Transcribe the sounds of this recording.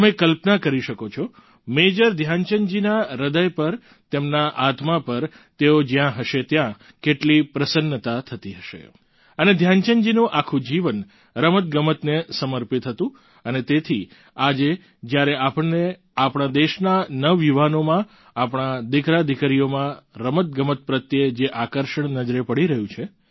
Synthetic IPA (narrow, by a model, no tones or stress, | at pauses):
mẽkəlpnakəɾiʃəkot͡ʃʰɔ | med͡ʒəɾd̪ʱjant͡ʃəɲd͡ʒinaɾəd̪əjpəɾ | t̪emnaʔat̪mapəɾ | t̪eod͡ʒjãɦəʃet̪jã | keʈlipɾəsənːət̪at̪ʰət̪iɦəʃḛ | əned̪ʱjant͡ʃənd͡ʒinũʔakʰũd͡ʒiʋən | ɾəmət̪̚ɡəmət̪nesəməɾpit̪ɦət̪ũ | ənet̪et̪ʰi | ad͡ʒe | d͡ʒjaɾeʔapəɳːe | apɳ̃ad̪eʃnanəʋiʋanomã | apɽ̃ad̪ɪkɾad̪ʱikaɾijomãɾəmət̪̚ɡəmət̪̚pɾət̪jed͡ʒeʔakəɾʃəɳnəd͡ʒɾepəɽiɾəɦjũt͡ʃʰe